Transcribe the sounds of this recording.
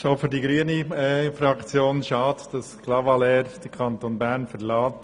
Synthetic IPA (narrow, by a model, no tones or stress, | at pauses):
ʃofyɾdiɡɾyəniɛfɾɑkt͡sjoːnʃɑːtd̥ɑsklɑvɑlɛːɾd̥əɾkʰɑntonbæɾnfəɾlɑːt